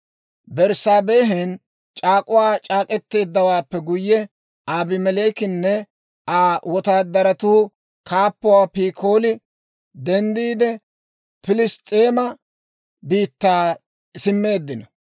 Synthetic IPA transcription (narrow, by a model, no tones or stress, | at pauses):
bɛɾsaːbeːɦɛn | t͡ʃʼaːkʼʊwaːt͡ʃʼaːkʼɛt̪ːe̞ːd̪ːɐwaːpːɛɡʊjːɛ | aːbɪmɛleːkɪnːɛ | aːwɔt̪aːd̪ːɐɾɐt̪uː | kʰaːpːʊwaːpiːkʰo̞ːlɪ | d̪ɛnd̪iːd̪ɛ | pɪlɪst̪ʼːeːmɐ | biːt̪ːaː | sɪmːe̞ːd̪ːɪnɐ